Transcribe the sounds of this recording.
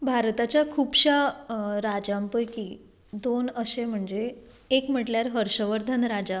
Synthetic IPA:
bʱaɾt̪at͡ɕjakʰuːbɕaɾad͡ʑampəjki | d̪onəɕem̤əɳd͡ze | ekm̤əʈljaɾɦəɾɕəʋəɾd̪ʱənɾad͡ʑa

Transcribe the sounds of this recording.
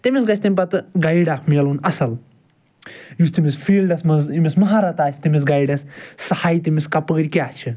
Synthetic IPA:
t̪imʲisɡɐt͡ʃʰʲt̪imʲpɐt̪ɨɡɐjiɖaːkʰmijɐlunɐsɐl | just̪imisfiːlɖɐsmɐzimʲismɐɦaːɾɐt̪aːsʰʲt̪imis̬ɡɐjiɖɐssɐhaːjt̪imiskɐpəːɾʲkʲaːt͡ʃʰɨ

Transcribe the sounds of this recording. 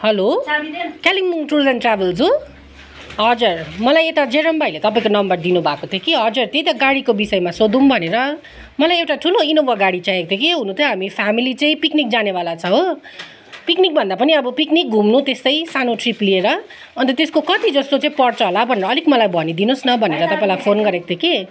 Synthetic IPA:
hʌlo | kalimŋʈuɾizʌnʈrabeld͡zu | ɦʌd͡zʌrmʌlajet̪ad͡zeɾʌmbʱajlet̪ʌpaĩkonʌmbʌrd̪inubʱakot̪ʰjokiɦʌd͡zurt̪jejt̪ʌɡaɽikobisʌjmasod̪umbʱʌneɾʌ | mʌlajewʈaʈʰuloinobʌɡaɽit͡saek̚t̪ʰekiɦunut̪ʰjoɦamipʰamilit͡saĩpiknik̚d͡zanebalat͡sʰʌɦo | piknik̚bʱʌnd̪apʌniʌbʌpiknik̚ɡʱumnut̪est̪ʌjsanoʈriplieɾʌ | ʌnt̪ʌt̪eskokʌt̪id͡zʌst̪ot͡sãĩpʌrt͡sʌɦolabʱʌneɾʌːlikmʌlajbʱʌnid̪inosnʌbʱʌneɾʌt̪ʌpãĩlajpʰonɡʌɾek̚t̪ʰeki

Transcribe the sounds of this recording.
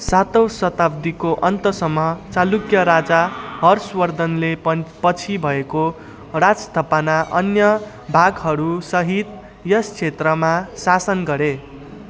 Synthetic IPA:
sat̪ʌwsʌt̪ab̚d̪ikoʔʌnt̪ʌsʌmːʌt͡salukjʌɾad͡zaɦʌrswʌrd̪ʱʌnlepʌt͡sʰibʱʌeko | rad͡zst̪ʰʌpanaʔʌnjʌ | bʱaɡɦʌɾusʌɦit̪ | jʌst͡sʰet̪rʌmasasʌnɡʌɾe

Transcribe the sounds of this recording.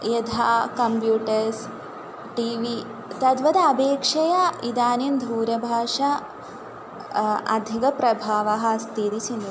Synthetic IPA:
jed̪ʱaːkɐmpjuːʈɐɾs | ʈiːʋi | t̪ɐd̪ʋɐd̪ɐɐbeːkʂɐjɐid̪aːnind̪ʱuːɾɐbʱaːʂɐ | ɐ̰d̪ʱikɐpɾɐbʱaːʋɐɦɐ̆st̪ʰit̪it͡ʃind̪

